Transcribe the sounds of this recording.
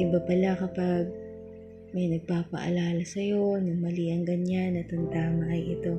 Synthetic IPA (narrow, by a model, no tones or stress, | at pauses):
ʔɪbɐpɐlakɐpaɡ̚ | mɐjnɐɡ̚paːpɐ̰ʔɐ̰laːlɐsɐjo̞nʊŋmɐliʔɐŋɡɐɲanːɐt̪ʊŋt̪aːmɐʔɐjʔɪt̪o̞